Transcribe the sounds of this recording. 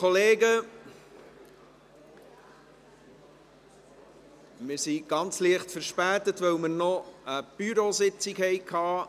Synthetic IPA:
kʰɔleːɡə | mɪɾsiɡ̥ɑnt͡sliəχtfəɾʃpæːtətvœwməɾnɔəb̥yɾosɪt͡sikhɛɪkʰhɑː

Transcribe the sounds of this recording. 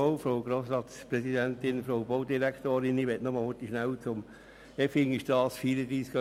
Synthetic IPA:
oʊfɾoʊɡɾoːsɾɑːt̪spɾɛsid̪ænt̪ɪnfɾoʊboʊd̪iɾækt̪oːɾɪnɪʋɛt̪nɔmɑlhʊtiʃnæwt͡sʊm | ɛfɪŋiʃd̥ɑːsfiːɾəd̪ɾiːskə

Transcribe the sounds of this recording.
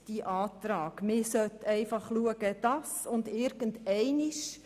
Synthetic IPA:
d̥iʔɑːtɾɑːɡ̥mɪsœtɛɪfɑχluəɡəd̥ɑsʊndɪɾɡ̥əntɛɪniʃ

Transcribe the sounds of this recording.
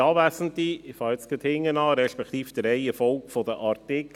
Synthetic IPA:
ɑːvæsən̩tiɪfɑːɪt͡skət̪hɪŋːənɑɾɛʃpɛkt̪iːfd̥̪əɾɛɪəfɔlkfɔdəʔɑɾtɪk

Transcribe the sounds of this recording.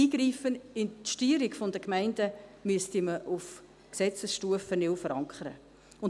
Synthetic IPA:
iːɡ̥riːfənɪntʃtyːɾikfɔndəkmæɪndəmyəstiməʔuf | ksɛt͡səsʃtuəfənɪwfəɾɑŋkʰəɾə̰ | ʊn

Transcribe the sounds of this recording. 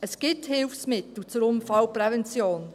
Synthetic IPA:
əsɡ̥ɪthɪwfsmɪt̪l̩t͡sʊɾʊmfɑwpɾɛvɛnt͡sjoːn

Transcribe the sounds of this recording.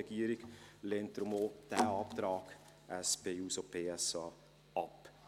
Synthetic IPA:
ɛɡ̥iəɾɪɡleːnt̚d̪̥ɾʊmod̥ɛːɑːpt̪ɾɑːk | ʔɛspeːuːsopb̥ʰeːɛsɑ | ɑp

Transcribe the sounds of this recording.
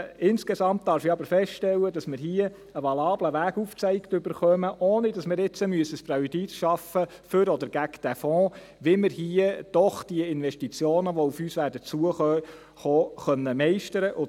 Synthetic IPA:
ɪnskesɑmpt̚dɑːɾfɪɑbəɾfɛstʃtɛlːədɑsmɪɾɦiə | əʋɑlɑːbləʋæːɡuft͡sɛɪkt̪ʏbəɾχœməʔoːnɪdɑsmɪɾɪt͡səmyəsəspɾɛid̪itʃɑfə | fʏɾɔd̪əɾɡ̥ækd̥æfɔ̃ː | ʋɪmɪɾhiəd̥ɔχd̥iəɪnʋɛʃtit͡sjoːnəʋɔufyːsʋæːɾdət͡suəχœ | χoːχœnːəmɛɪʃtəɾəʔʊ

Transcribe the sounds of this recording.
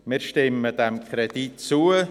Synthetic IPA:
mɪɾʃtɪməd̥ɛmkʰʁɾɛd̥itt͡suə

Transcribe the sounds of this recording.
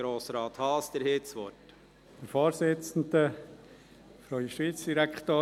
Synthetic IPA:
ɾoːsɾɑːt̪hɑːsd̥̪əɾhɪsʋɔt | d̥̪əɾfoːɾsɪt͡sn̩d̪ə | fɾɔʏəʃʋiːt͡sd̥iɾækt̪oː

